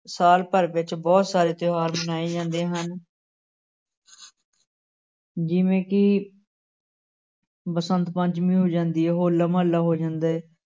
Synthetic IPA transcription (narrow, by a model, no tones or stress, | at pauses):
saːlpəɾʋɪt͡ʃbɔːt̪saːɾeːt̪ɪoɦaːɾmənaːiːd͡ʒãːnd̪eːɦən | d͡ʒɪʋẽːkɪ | pəsənt̪pə̃ɲt͡ʃmĩːɦoːd͡ʒãːnd̪iːɛːɦoːlːaːməlːaːɦoːd͡ʒãːnd̪aːɛː